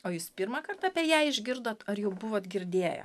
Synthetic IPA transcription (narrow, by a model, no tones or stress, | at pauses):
oːjuːspʲɪɾmɐkɐrt̪ɐːpʲiɛːjæːɪʒʲɡʲɪɾd̪oːt̪ɐɾjɛʊbʊʋoːt̪ɡʲɪɾʲd̪ʲeːjɛ̰